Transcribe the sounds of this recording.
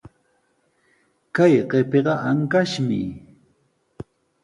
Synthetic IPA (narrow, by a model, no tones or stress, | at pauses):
kajɢepeɢɑʔaŋkaʃmɪ̰